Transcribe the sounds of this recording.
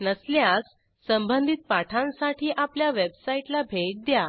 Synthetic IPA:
nəsljasː | əmbənd̪ʱit̪̚paʈʰãnsaʈʰiːʔapljaʋebsaiʈlabʱek̚d̪ja

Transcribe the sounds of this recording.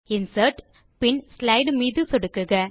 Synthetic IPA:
ɪnsɐɾʈ | pɪɳslɐɪɖmiːðɯsɔɽɯkːɯɣɐ

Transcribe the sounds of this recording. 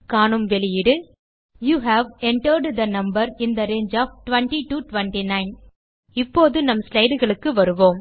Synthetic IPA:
kaːɳɯmʋɛɭɪjɪɽɯ | juːɦæːʋɛɳʈɐɾɖd̪ɐnɐmbɐɾɪnd̪ɐɾeːnd͡ʒaːfʈʋɐɳʈiʈuʈʋɛɳʈinɐɪn | ɪpːoːðɯnɐmslɐɪɖɯɣɐɭɯkːɯʋɐɾɯʋoːm

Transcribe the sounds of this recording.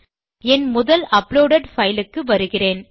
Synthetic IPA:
ɛnmʊðɐlʔɐploːɽɐɖfɐjlɯkːɯʋɐɾɯɣɪreːn

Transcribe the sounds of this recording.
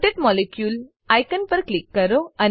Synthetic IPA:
ʈeʈmɔlekjuːl | ɐjkənpɐɾklikːɐɾoɐn

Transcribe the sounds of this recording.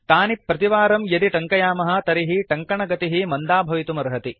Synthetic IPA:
t̪aːnipːɾɐt̪iʋaːɾɐmjɐd̪iʈɐŋkɐjaːmɐɦɐ̆t̪ɐɾiɦiʈɐŋkɐɳɐɡɐt̪iɦimɐnd̪aːbʱɐʋit̪umɐɾɦɐt̪i

